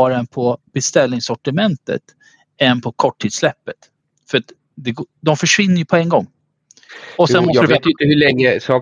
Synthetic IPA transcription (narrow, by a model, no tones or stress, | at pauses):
ɑːɾaɛnpʰɔb̥ɛst̪ɛlnɪŋsɔʈɪmɛnt̪ə̰t̪ | ɛnpʰɔkʰɔʈʰːiːd̪slɛpːət̪ | fœɾat̪ | d̪ɛɡd̪ɔmfœʂvɪnːəjɵpʰɔɛŋːɡɔŋː | ɔsɛnmɔsɾvet̪jɪnt̪əhɵlɛŋːəsɑː